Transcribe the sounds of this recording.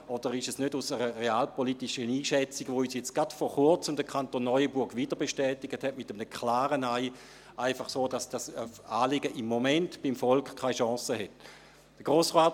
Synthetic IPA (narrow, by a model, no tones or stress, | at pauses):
ɔd̥əʁɪʃɛsnødusəʁəʁeaːlpolitiʃəniːʃɛt͡siɡʋoyːsjɛt͡sɡ̥atfɔχʊɐt͡səmdəkʰantonːɔʏəbʊɐɡʋitəʁbeʃtɛːtɪɡ̥əthɛtmɪtəmnəkʰlaːʁənaɪ | ʔaɪfɑχsoːdɑsd̥asaːlɪɡəʔɪmːomɛntb̥ɪmfɔlkχkʰːaɪʃɑ̃ːsəhɛt | d̥əɡ̥ʁoːsʁaːt